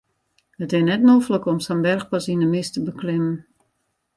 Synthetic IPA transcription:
ətɪnɛtnofələkɔmsanbɛrxpasinəmɪstəbəklɪmən

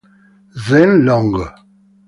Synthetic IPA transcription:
zɛnlɔŋɡə

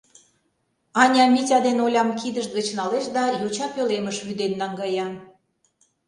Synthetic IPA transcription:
ɑnʲɑmʲitʲɑd̪enolʲɑmkid̪əʃt̪̚ɡət͡ɕnɑleʃd̪ɑjot͡ɕɑpøleməʃβyd̪enːɑŋɡɑjɑ

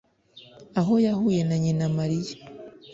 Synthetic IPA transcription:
aɦo̞jahuːje̞naɲinamaɾija

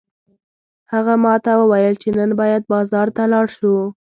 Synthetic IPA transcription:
haɣamɑt̪awəwajəlt͡ʃenənbɑjad̪̚bɑzɑɾt̪alɑɽʃu

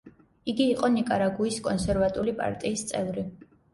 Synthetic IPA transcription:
iɡiːqʼɔnikʼaɾaɡuiskʼɔnsɛɾvat̪ʼulipʼa̰ɾt̪ʼiːst̪sʼɛvɾi

